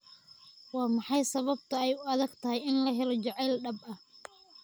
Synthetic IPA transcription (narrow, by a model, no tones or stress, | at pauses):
wɑːmɑħɑjsɐβɐb̚t̪ʰɐɛjʊɐðɐɡt̪ʰɐɦɛjɪnlɐɦɛlɔt͡ʃɑʕɛːlɖɐbɐh